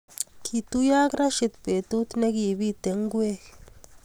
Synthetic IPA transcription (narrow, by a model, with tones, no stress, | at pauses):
kʰi˨t̪u˦ja˦kɾa˦ʃi˨t̪pe˨t̪u˦t̪ne˦ki˨bi˦t̪e˨ŋɡwe˦